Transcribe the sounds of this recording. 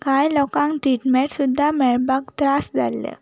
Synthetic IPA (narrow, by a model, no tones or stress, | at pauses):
kajlɔkãŋkʈɾiʈmeɳʈsud̪ʱːamɛɭbakt̪ɾasd͡za̰lːḛ